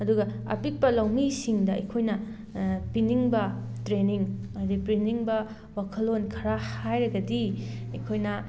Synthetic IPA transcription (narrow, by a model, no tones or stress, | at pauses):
ɐduɡɐ | ɐ̰pik̚pɐlɐwmisiŋdɐikʰojnɐ | piniŋbɐtɾeniŋɐɐdipɾiniŋbɐ | wakʰɐlːonkʰɐɾahajɾɐɡɐdiɐkʰojnɐ